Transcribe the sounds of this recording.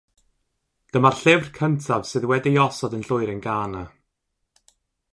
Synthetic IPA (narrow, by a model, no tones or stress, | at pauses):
d̥əmarɬɪvrkʰəntʰav̥sɨːðwɛdijɔsɔdənɬʊɨɾənɡaːna